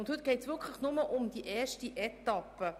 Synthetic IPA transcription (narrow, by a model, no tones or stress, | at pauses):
ʊndhɵt̪ɡ̥ɛːtsvɪkʰlɪχnʊməʔʊmdiʔɛːʃtiʔɛtɑpːə